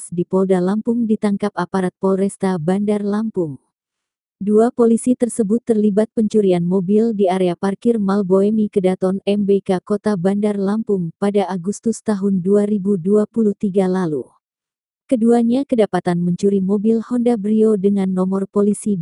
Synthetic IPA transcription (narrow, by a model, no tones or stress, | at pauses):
sdipɔldalampʊŋdit̪aŋkap̚apaɾat̪̚pɔɾɛst̪abandarlampʊŋ | duapolisit̪ərsəbʊt̪ːərlibat̪̚pəɲt͡ʃuɾianmobildiaɾeaparkirmalboɛmikədat̪ɔnɛmbekakot̪abandarlampʊŋpadaːɡust̪ʊst̪aɦʊnduaɾibuduapuluht̪iɡalalu | kəduaɲakədapat̪anməɲt͡ʃuɾimɔbilhɔndabɾiodəŋanːɔmɔrpolisi